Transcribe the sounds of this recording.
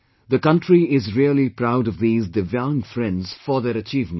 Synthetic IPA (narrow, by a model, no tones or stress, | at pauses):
ðəkʌ̃ntɹiɪzɹiəlipʰɾaʊɾʌvðiːzdɪvjãŋfɾɛ̃ndz̥fəðɛɾət͡ʃiːvmə̃